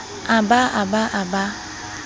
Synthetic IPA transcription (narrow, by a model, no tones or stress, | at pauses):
abaabaʔaba